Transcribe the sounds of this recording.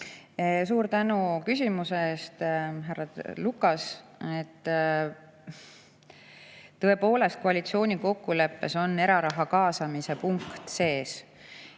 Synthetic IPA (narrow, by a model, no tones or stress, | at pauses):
suːɾt̪ænukysʲimuseeːst̪ɦærːɑlukːˑɑset̪ː | ɤ̞e̞po̞ːle̞st̪̚koɑlit̪sio̞ːnʲiko̞kːule̞pːe̞so̞nːe̞ɾɑɾɑɦɑkɑːsɑmise̞puŋkt̪se̞ːs